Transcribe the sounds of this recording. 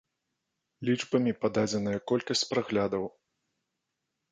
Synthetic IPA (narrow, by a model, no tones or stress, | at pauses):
lʲit͡ʂbɐmʲipad̪ad͡zʲɛnɐjɐkɔlʲkɐsʲt͡sʲpɾaɣlʲad̪ɐw